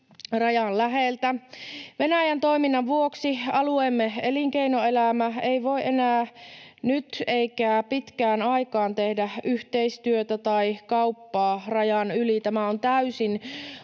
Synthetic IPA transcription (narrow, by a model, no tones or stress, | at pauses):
rɑjɑnlæɦelt̪æʋe̞næjænt̪o̞iminːɑʋʋuoksiɑluemːeeliŋkeinoe̞læmæeiʋo̞iʔenæːnyt̪eikæːpit̪kæːnɑikɑːnt̪ehdæyht̪eist̪yøt̪æt̪ɑikɑupːɑːrɑjɑnylit̪æmæont̪æysin